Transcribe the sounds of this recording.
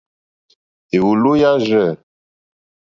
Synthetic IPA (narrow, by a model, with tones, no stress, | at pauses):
e˨wu˨lo˦ja˦ʒɛ˦˨